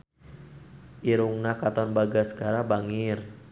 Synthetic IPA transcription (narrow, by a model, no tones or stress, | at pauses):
ʔiɾuŋnakat̪ɔnbaɡasə̥kaɾabaŋir